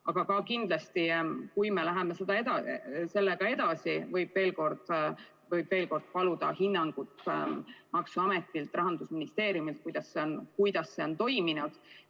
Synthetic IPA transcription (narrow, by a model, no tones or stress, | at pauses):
ɑɡ̥ɑkɑkind̪̥lɑst̪ikujmelæɦemesed̪ɑe̞d̪ɑse̞lːeɡ̥ɑe̞d̪ɑsivɤjb̥ve̞ːlko̞rd̪̥ | vɤjb̥ve̞ːlko̞rd̪̥pɑlud̪̥ɑ̰hinːɑŋɡ̥ut̪ | mɑksuɑme̞t̪ːˑilt̪ˑrɑɦɑnd̪usminist̪e̞ːɾjumilt̪̚kujd̪̥ɑsːeonkujd̪ɑsːe̞o̞nt̪o̞jminud̪̥